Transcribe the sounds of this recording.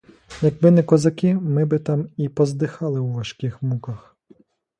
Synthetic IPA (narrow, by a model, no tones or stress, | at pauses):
jɐɡ̚bɪnɛkɔzɐkʲɪmɪbɪt̪ɑmipɔzd̪ɪxɑlˠɪwʋɐʃkɪxmukɐx